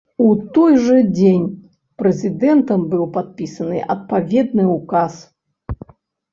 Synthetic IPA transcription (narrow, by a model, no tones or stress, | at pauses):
ut̪ɔjʐɨd͡zʲenʲ | pɾɛzʲɨd̪ɛnt̪ɐmbɨwpat̪̚pʲisɐnɨʔɐ̰t̪̚pavʲɛd̪̚nɨukas